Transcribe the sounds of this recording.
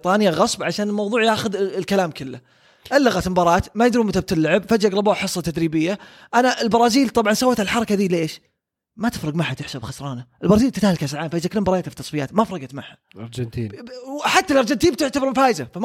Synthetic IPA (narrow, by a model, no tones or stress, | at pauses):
t̪ˤɑːnɪjaɣɑsˤbʕaʃaːnɪlmɑwðˤuːʕjaːxʊðɪlkalaːmkɪlːa | ʔalːaɣat̪ɪmbɑɾˤɑːt̪majɪd̪ɾumʊt̪ab̚t̪ɪlːaʕɪbfad͡ʒʔaɡɾˤɑboːħɨsˤːɑt̪ad̪ɾiːbɪjːa | ʔanaʔɪlbɑɾˤɑːziːlt̪ˤɑbʕɑnsawːaːt̪alħɑɾˤɑkad̪iːlʔeːʃ | mat̪ɪ̥fɾˤɨɡmaħat̪ɪħsabxɑsɾˤɑːnaʔɪlbɑɾɑːziːbt̪ɪt̪ahlkasɾʕaːmfaːjɪzakɪlːmbɑɾˤɑːjat̪afi̥t̪ːɑsˤbɪja̰ːt̪mafɾˤɑɡɑt̪maħa | ɾd͡ʒnt̪iːħat̪ːalʔɑɾˤd͡ʒɪnt̪iːnb̚t̪ɪʕt̪abɾmfaːjɪzafa